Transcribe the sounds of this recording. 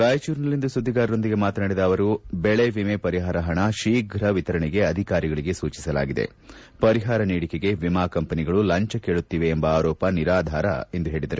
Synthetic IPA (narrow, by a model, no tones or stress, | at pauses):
ɡaːjɐt͡ʃuːɾnɐlːind̪ɐsud̪ʱːiɡaːɾɐɾo̞nd̪iɡe̞maːt̪ɐnaːɽid̪ɐːʋɐɾubeɭeʋimepɐɾiɦaːɾɐɦɐɳɐʃiːɡɾɐʋit̪ɐɾɐɳɛɡe̞ɐd̪ʱikaːɾiɡɐɭiɡe̞suːt͡ʃi̥sɐla̰ːɡid̪ḛ | pɐɾiɦaːɾɐniːɽikeɡe̞ʋimaːkɐmpɐniɡɐɭulɐɲt͡ʃɐkeːɭut̪ːiːʋe̞ːmbɐaːɾɔːpɐniɾaːd̪ʱaːɾɐ̰e̞nd̪uɦe̞ːɭid̪ɐɾu